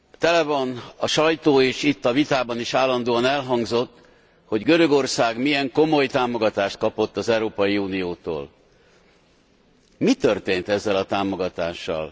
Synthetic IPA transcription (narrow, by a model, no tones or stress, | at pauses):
t̪ɛlɛvɒnɒʃɒjt̪oːeːʃit̪ːɒvit̪aːbɒniʃaːlːɒnd̪oːɒnɛlɦɒŋɡzo̞t̪ː | ho̞ɟɡø̞ɾø̞ɡo̞rsaːɡmiɛŋko̞mo̞jt̪aːmo̞ɡɒt̪aːʃt̪̚kɒpo̞t̪ːɒzɛwɾoːpɒjiuːnijoːt̪o̰ːl | mit̪ø̞rt̪eːnt̪ɛzːɛlɒt̪aːmo̞ɡɒt̪aːʃːɒ̰l